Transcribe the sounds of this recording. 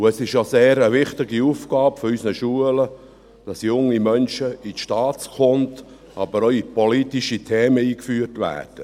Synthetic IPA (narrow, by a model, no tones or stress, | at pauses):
ʊɛsɪʃjoseːɾəʋɪχt̪ɪɡiufɡ̥ɑːpfɔɾysnəʃuələ | d̥ɑsjʊŋːimœnʃəitʃtɑːtskʊnt | ɑbəɾɔipɔlitiʃitʰeːməiːkfyːərtʋæ̰ːrd̥ə